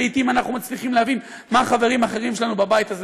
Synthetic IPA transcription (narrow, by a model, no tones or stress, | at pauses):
it̪imanaχnumat͡sliχimleavin | maːχave̞ʁimaχe̞ʁimʃelanubabajit̪az